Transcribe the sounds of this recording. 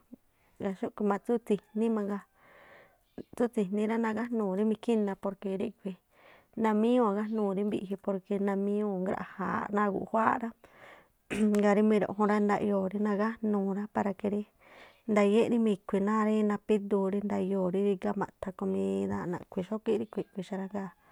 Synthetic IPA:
ɡa˧ʃu˦kʷi˧mã˧t͡su˦t͡si˧hnĩ˦mã˧ŋɡa˧ | t͡su˦t͡si˧nĩ˧ɾa˦nã˧ɣa˦nũː˨ɾi˦mĩ˧ki˦nã˧po˧ɾke˧ɾi˦kʷi˧ | nã˧mĩ˦ũ˦a˨ɣa˦nũː˨ɾi˦mbi˧ʔɦi˧po˧ɾke˧nã˧mĩ˦ũ˧ŋɡɾa̰˧ʔha̰˨nã˦˧ɡṵ˨˧hʷa˦ɾa˦ | ŋɡa˧ɾi˦mĩ˧ɾo̰˧˨˧ɦũ˧ɾa˦nd̪a˧ʔjoː˨ɾi˧nã˧ɣa˦nũː˨ɾa˦pa˧ɾa˧ke˧ɾi˦ | nd̪a˧je˦ʔɾi˦mĩ˧kʷi˨nã˦ɾi˦nã˧pi˦d̪u˧ɾi˧nd̪a˧joː˨ɾi˧˦ɾi˧ɡa˧mã̰˨˧t̪ʰa˧ko˧mĩ˧ða˧˨nã̰˨˧kʷi˧ʃo˦ki˦ɾi˧kʷi˨kʷi˧ʃa˧ɾa˧ŋɡa˦˨

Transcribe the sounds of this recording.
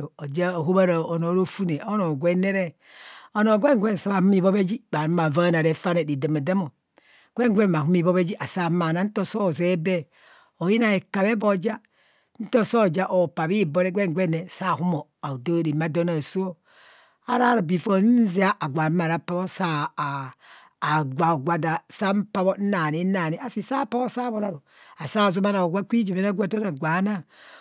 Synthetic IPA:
o˨o˨d͡ʒa˦˨ɦu˦ba˦ɾa˨o˨no˨˦ɾo˦fu˦ne˨o˦no˨ɡʷe˦ne˦ɾe˦ | o˨no˨ɡʷe˦ŋ˨ɡʷe˦n̩˨sa˦βa˨hu˦m˦i˦˨βo˦be˦d͡ʒi˦ba˨ɾma˨va˦na˨ɾe˦fa˦ne˨di˨da˨ma˨da˦mo˨ | ɡ̥ʷe˦ŋ˦ɡʷe˦mm˨a˨hu˦m˦i˨bo˦be˦d͡ʒi˦ʔa˨sa˦˨˦ma˨na˨˦n̩˦to˦so˦˨ze˦be˦ | o˨ji˦na˨e˨ka˨βe˦bo˨d͡ʒa˦ | n̩˦to˦so˦˨d͡ʒa˦ʔo˨pa˨bi˦bo˦ɾe˦ɡʷe˦ŋ˨ɡʷe˦ne˨sa˦˨hu˦mo˨ | a˨u˨do˦di˨ma˦do˦na˨su˦o˦ | a̰˦ɾa˦ɾa˨bi˨fo˨n̩˦zi˦a˦ʔa˨ɡʷa˨˦ma˨ɾa˦pa˦βo˦sa˦˨ | ɡʷa˨ɡʷa˨da˨sa˦m̩˦pa˦βo˦n̩˦na˨ni˦na˨ni˦ʔa˨si˨sa˦pa˦βo˦sa˦βo˨ɾa˨ɾu˨ | a˨sa˦˨zu˦ma˦na˨o˨ɡʷa˦kʷi˦d͡ʒu˨me˨˦na˦ɡʷa˦˨do˦na˨ɡʷa˨˦na˦

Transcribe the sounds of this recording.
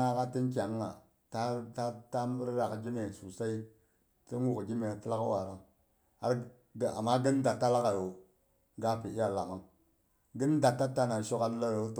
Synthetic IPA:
a˦ka˦ti˦nk̬ʲa˨˦ŋː˦a̰˨ | ta˦ta˦ta˦mi˦ɾɾa˨kd͡ʒi˦me˨su˨sa˦i˦ | ti˦nwu˨kd͡ʒi˦me˨ti˦la˦kwa˨ɾa˦ŋ | a˦ɾ | a̰˨mːa˦ɡi˦n˦da˨tːa˦la˦ka˨jo˨ | ɡa˦pi˨i˦ja˨la˨ka˦ŋ | ɡi˦n˦da˨tːa˦tːa˦na˨n˨ʃo˦ka˦n˦la˦ɾo˦t

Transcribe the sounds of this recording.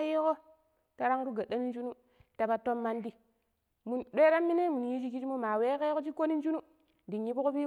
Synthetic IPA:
je˦ko˦ | ta˦ɾa˦ŋ˦ɾu˦ɡa˨ɗa˦ni˦n˦d͡ʒu˦nu˦ | ta˨ba˨to˦mːa˦ndi˦ | mu˨nɗe˦ɾa˦mːi˦ne˦mu˨n˨ji˦d͡ʒi˦ki˦d͡ʒi˦mo˦ma˨we˦ke˦ko˦t͡ʃi˦ko˦ni˦nd͡ʒu˦nu˦ | di˨nji˦bko˦pi˦

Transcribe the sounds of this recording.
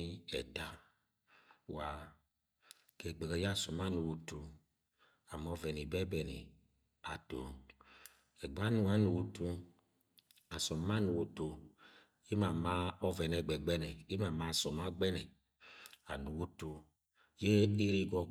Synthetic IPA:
i˦ɛ̰˨da˨ | wa˨ | kɛ˨ɡ͡bɛ˨ɡɛ˨ja˦˨sɔ˨ma˦nu˨wu˨tu˨ | a˨m˦ɔ˦vɛ˨ni˨bɛ˦bɛ˨nḭ˨ | a˨to̰˨ | ɛ˨ɡ͡ba˦nu˨a˦nu˨wu˨tu˧ | a˨sɔ˨ma˦nu˨wu˨to˨ | i˦ma˨ma˦ɔ˦vɛ˨nɛ˨ɡ͡bɛ˨ɡ͡bɛ˦nɛ˨i˦ma˨ma˦˨sɔ˨ma˦ɡ͡bɛ˦nɛ˨ | a˨nu˨wu˦to˨˧ | je˦e˦ɾi˦ɡɔ˦

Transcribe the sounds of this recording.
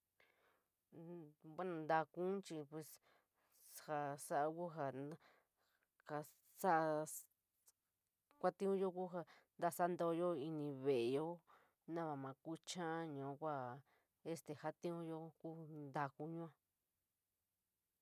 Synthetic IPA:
βʷwa˦nã˨nd̪a˧kũ˦t͡ʃi˧pwe˨s | ha˧sa˦ʔa˧ku˦ɦa˧ | ka˧ | sa˦ʔa˧ | kʷa˦t̪ĩ˦ũ˦jo˦ku˦ɦa˧ | nd̪a˧sa˦nd̪o˧jo˦i˧nĩ˧βe˨e˨˧jo˦ | nã˦βa˨mã˨ku˦t͡ʃã˦ɲũ˨˦kʷa˦˨ | e˦st̪e˨ha˦t̪ĩ˦ũ˦jo˧ku˦nd̪a˧ku˧˦ɲũ˦ã˧

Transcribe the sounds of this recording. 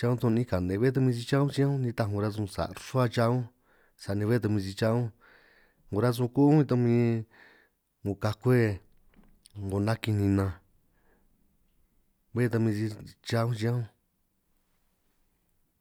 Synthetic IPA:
t͡ʃa˧ũ˦t̪õ˧ĩ˦˧ka˨nd̪ẽ˨˧βe˦t̪̬a˧mĩ˧i˧t͡ʃa˦ũ˦t͡ʃi˦ã˦ũ˦nĩ˧t̪a˧ɦũ˧ɾa˦zũ˧sa̰˨˧ʂu˦a˦˧t͡ʃa˧ũ˦ | sa˨nĩ˧βe˦t̪̬a˧mĩ˧s̬i˧t͡ʃa˧˦ũ˦ | ŋɡo˨˧ɾa˦zũ˧ku˦ĩ˧t̪̬o˧mĩ˧ | ŋu˨ka˧kʷe˦ | ŋɡo˨nã˦ki˧nĩ˧nã˧ | βe˦˧t̪a˧mĩ˧si˧t͡ʃa˧˦ũ˦t͡ʃĩ˧ã˦ũ˦

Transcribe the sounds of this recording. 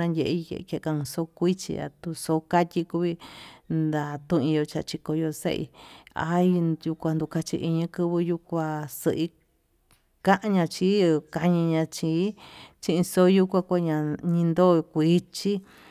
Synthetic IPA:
ã˧njʲe˧ʔi˧jḛ˧ʔke˧kã˧ũ˧so˦kʷi˦t͡ʃḭ˧a̰˨t̪u˧so˧˦ka˦tʲi˧ku˧βi˧nd̪a˨t̪ũ˦˧ĩ˧jo˧t͡ʃa̰˧t͡ʃi˧ko˧jo˧sḛ˦ʔḭ˧a̰˧˦˧ju˧kʷa˧nd̪u˧ka˧t͡ʃḭ˧ʔi˧ɲɨ̃˧kɨ˦˧βɨ˧ju˧kʷa˧sɨ˧ʔi˦ | kã˦ʔã˧ɲã˧t͡ʃi˦˧ka˧ɲĩ˧ɲã˧t͡ʃiː˧˦t͡ʃĩ˧ʔĩ˧so˦ju˦kʷã˧kʷa˦˧ɲã˧ɲĩ˧nd̪o˦˨˧kʷi˦t͡ʃi˦

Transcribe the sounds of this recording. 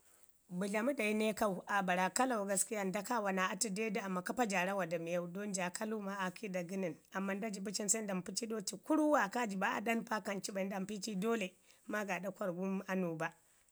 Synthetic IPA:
bu˨ɮa˨mu˦da˨ji˦ne˦ka˦wu˨ʔa˨ba˨ɾa˨ka˦la˨wɡa˦ski˦ja˦˨nda˦ka˦wa˨na˨a˦ti˦de˦da˦a˨mːa˨ka˦pa˦d͡ʒa˨ɽa˦wa˨da˨mi˨ja˦wdo˦nd͡ʒa˨kʰa˦lu˦ma˦ʔa˨kʰi˦da˨ɡi˦ni˨nʔa˨mːa˦nda˦d͡ʒi˨bu˦t͡ʃi˦nsa˦nda˨mpi˦t͡ʃi˦ɗo˦ti˨ku˦ɾu˦wa˨ka˦d͡ʒi˨ba˦ʔa̰˨da˦npa˦ka˨nt͡ʃi˦ba˨n˦da˨mpi˦t͡ʃi˦doː˦le˨ | ma˦ɡa˨da˦kʷa˦ɾɡu˦m˦a˦nu˨ba˦

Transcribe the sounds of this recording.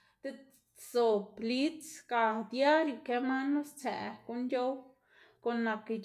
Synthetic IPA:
d̪̥e˦ | so˨pli˦t͡ska˨d̪ja˦ɾju˧˨ke˧˦ma˦nlo˦st͡sæ̰˨ko˧njo˦w | ko˨nːa˨ke˧d͡ʒ

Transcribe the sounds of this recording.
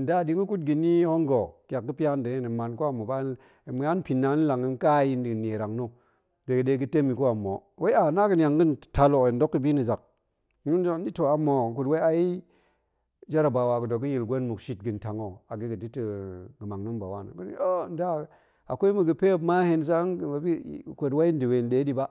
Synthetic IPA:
n̩˨da˦˨di˦ŋɡə˦ku˦tɡi˨ni˦ho˦ŋɡo˨kʲa˨k̚ɡə˦pi˦a˦nde˨˦e˦nə˨ma˨nko˦a˨mːo˨ba˦˨ | m˦a˦npi˨nːa˨˦n˦la˨ŋi˨n˦ka˦ji˦ndi˨ne˨ɾa˨ŋno˦ | de˨ɡɨ˨de˧˦ɡɨ˦te˦mi˨ko˦a˨mo˨wʔe˦a˨na˦ɡɨ˨nʲ˨a˨ŋɡɨ˦n˨ta˧lo˨n˦do˦kːə˦bi˦ni˨za˨k̚ | u˦n˦di˦to˨a˨˦mːo˨ko˨twe˦a˦ji˦ | d͡ʒa˦ɾa˨ba˨wa˨ɡə˨do˨ɡɨ˦ji˨lɡʷo˦nmu˨kʃi˦t̚ɡɨ˨nta˨ŋo˨a˨ɡi˦ɡɨ˨di˦tə˨ɡə˨ma˨ŋno˦mba˨wa˦n̰˨ɡu˦nḭ˨o˦˨n˦da˦˨ | a˨kʷo˦i˦mu˨ɡə˨pe˦˨˦ma˦he˦ns̬a˦˨bi˦˨kʷo˨twa˦i˦n˦di˨we˨n˨ɗe˨˦di˦ba˦

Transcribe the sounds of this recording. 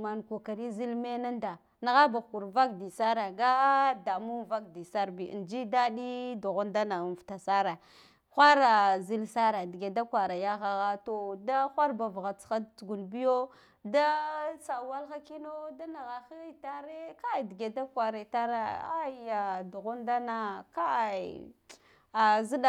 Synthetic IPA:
ma˨nku˨ka˨ɾi˦zi˦lme˦na˦nda˨ | na˨ɣa˦ba˨ku˨ɾva˦kdi˨sa˦ɾa˨ɡa˦da˨mu˦nva˦kdi˨sa˦ɾbḭ˨nd͡ʒi˦da˦di˦du˨ɣo˦nda˦na˨n˨fta˨sa˦ɾa˨ | xʷa˦ɾa˨zi˦lsa˦ɾa˨dɡe˨da˦kwa˨ɾa˨ja˦ɣa˦ɣa˦to˨da˦xʷa˦ɾba˨vɣa˨t͡sxa˦dt͡su˨ɡu˨lbi˦jo˦ | da˦t͡sa˨wa˦lxa˦ki˦no˦da˦na˨ɣa˨xi˦i˦ta˦ɾe˦ka˦˨dɡe˨da˦kwa˨ɾa˨ta˦ɾa˨a˦ja˨du˨ɣu˦nda˦na˨ka˦a˨ | a˨zi˦ɗa˨

